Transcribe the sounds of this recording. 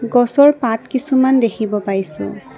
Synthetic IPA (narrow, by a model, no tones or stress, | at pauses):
ɡɔsɔɹpatkisumandekʰibɔpaɹisʊ̰̃